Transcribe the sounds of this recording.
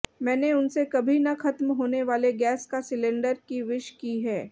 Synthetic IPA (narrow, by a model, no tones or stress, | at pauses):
mɛ̃ːneʊnsekɐbʱinɐxɐt̪mɦoːneʋaːleɡɛːskasɪlẽːɳɖəɾkiʋɪʃkiɦɛː